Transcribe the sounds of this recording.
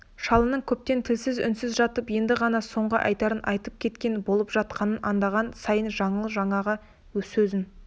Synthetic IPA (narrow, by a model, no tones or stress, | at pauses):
ʃɑlˠənəɴkʲʰɵp̚t̪e̞nt̪ʰɪlsɪzʏ̰nsɪzʒɑt̪əpje̞nd̪ɪʁɑnɑso̞ɴʁə̰ʔɑ̰jt̪ɑɾənʔɑjt̪əp̚kʲʰe̞t̪kʲe̞nbo̞lˠəpʒ̥ɑt̪̚qʰɑnənʔɑnd̪ɑʁɑnsɑjənʒɑɴəlˠəʒɑɴɑʁɑ | wɵzɵzɪn